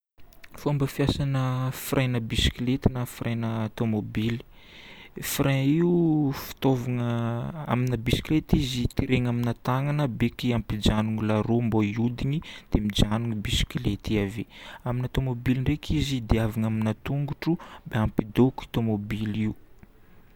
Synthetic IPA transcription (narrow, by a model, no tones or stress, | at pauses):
fambəfjasanəfirʔajnəbisi̥kilet̪inəfirʔajnəat̪omobili̥ | frʔɛ̃iufi̥t̪ovaŋəa̰minəbisi̥kilet̪izit̪iɾeŋaminat̪aŋanəbekiampid͡ʒanuŋilaɾomboiud̪inid̪̥emid͡ʒanuŋibisi̥kilet̪iaveaminat̪omobiliɳrekʰizid̪eavaŋaminat̪uŋɡuʈ͡ʂubeampid̪oki̥t̪omobiliu